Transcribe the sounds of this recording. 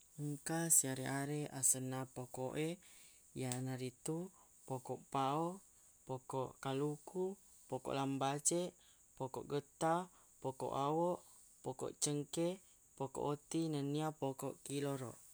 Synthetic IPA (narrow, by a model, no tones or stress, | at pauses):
əŋkasiaɾeaɾeasənapokoʔe | janaɾit̪u | pokɔʔpao | pokɔʔkaluku | pokɔ̰ʔlambat͡ʃe | pɔkɔ̰ʔɡət̪a | pokɔ̰ʔawɔʔ | pɔkɔ̰ʔt͡ʃəŋke | pokɔ̰ʔot̪inəniapokɔ̰ʔkilɔɾɔ̰ʔ